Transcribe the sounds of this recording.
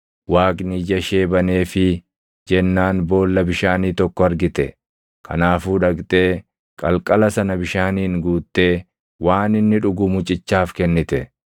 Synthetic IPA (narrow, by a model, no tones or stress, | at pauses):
waːkʼnid͡ʒɐʃe̞ːbɐne̞ːfɪ | d͡ʒɛnːaːnbo̞ːlːɐbɪʃaːniːt̪ɔkːɔɐɾɡɪt̪ɛ | kʰɐ̰naːfuːᶑɐkt̪ʼe̞ː | kʼɐlkʼɐlɐsɐnɐbɪʃaːniːŋɡuːt̪ːe̞ː | waːnɪnːɪᶑʊɡʊmʊt͡ʃʼɪt͡ʃːaːfkɛnːɪt̪ɛ